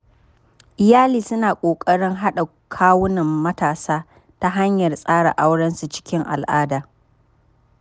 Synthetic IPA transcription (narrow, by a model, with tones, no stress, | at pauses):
ʔɪ˨jaː˦liː˨sʊ˦naː˨kʷʼoː˨kʼɐ˦ɽɪ˦ŋɦa˦ɗa˨ | kʰaː˦wʊ˦nɐ˨mːɐ˦taː˨saː˦ | ta˦ɦa˦ɲjɐ˨rsʼaː˦ɽa̰˨ʔa˦wɽɐ˦nsu˨t͡ʃɪ̥˦kʲɪ˦ŋʔa̰˨lʔaː˦daː˨